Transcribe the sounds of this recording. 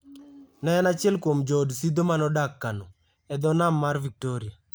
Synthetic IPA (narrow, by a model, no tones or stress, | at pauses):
nɛnat͡ʃɪɛlkwomd͡ʒodsid̪omanɔdakːano | ɛd̪ɔnamːarvik̚toɾɪa